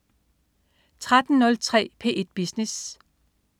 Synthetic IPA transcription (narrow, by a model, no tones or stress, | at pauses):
t͡sʰʁad̥n̩nɔ̽lt͡sʰʁɛ̰ːpʰe̝̰ːʔe̝d̥̚b̥isnis